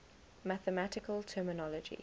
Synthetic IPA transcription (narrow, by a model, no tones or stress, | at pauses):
maθəmatɪkəltʰɜːmɪnɔləd͡ʒḭ